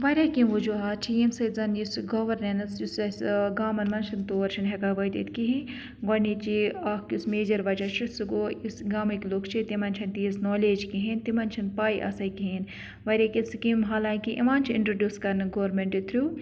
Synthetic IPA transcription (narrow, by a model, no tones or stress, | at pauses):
ʋɐɾʲaːkimʋud͡ʒuaːt͡ʃʰijimsɐzɐnjusɡoʋɐɾnɐnsjusɐsɡaːmɐnmɐnt͡ʃʰɐnt̪oːɐɾt͡ʃʰɐnɦɛkaːʋɐjt̪ḭt̪kiɦĩ | ɡɐnit͡ʃiakkjismeːd͡ʒɐɾʋɐd͡ʒɐt͡ʃʰisuɡoːisɡaːmɐkloːkʰt͡ʃʰit̪imɐnt͡ʃʰɐnt̪iisnoːleːd͡ʒkiɦint̪imɐnt͡ʃʰɐnpaːiʔɐ̰sɐjkiɦen | ʋɐɾʲaːkisikimɦaːlaːŋkiʔḭmaːnt͡ʃʰiɪ̰ɳʈɾoɖʲjuːskɐɾnɨɡoːɾmeɳʈit̪ʰɾʲu